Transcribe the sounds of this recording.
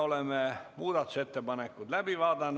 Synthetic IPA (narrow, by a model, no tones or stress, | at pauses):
olemːemuːd̪ɑt̪set̪ːebɑnekːud̪læbiʋɑːd̪ɑnː